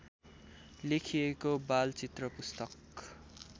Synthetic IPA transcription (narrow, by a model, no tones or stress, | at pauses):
lekʰijekobalt͡sit̪rʌpust̪ʌk